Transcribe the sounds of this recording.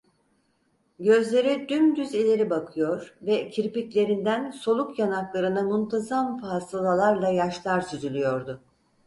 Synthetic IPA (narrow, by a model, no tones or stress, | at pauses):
ɟø̞zlʲe̞ɾid̪ymd̪yzilʲe̞ɾibakʰɯjo̞ɾvɛcʰiɾpiclʲe̞ɾind̪ænso̞lˠukjanaklˠaɾɯnamunt̪ʰazamfasalˠalˠaɾlˠajaʃlˠaɾsyzylʲyjo̞ɾd̪ʊ